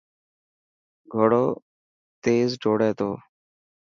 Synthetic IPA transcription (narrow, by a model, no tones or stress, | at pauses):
ɡʱoɽoː | t̪eːzɖʱoːɽeːt̪oː